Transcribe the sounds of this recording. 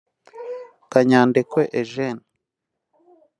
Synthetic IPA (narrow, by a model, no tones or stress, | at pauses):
kaɲaːndekweʔeʒena